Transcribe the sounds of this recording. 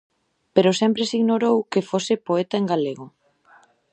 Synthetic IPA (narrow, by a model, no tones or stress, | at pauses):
peɾosɛmpɾesiɣnoɾowkefosɪpoet̪aeŋɡaleɣo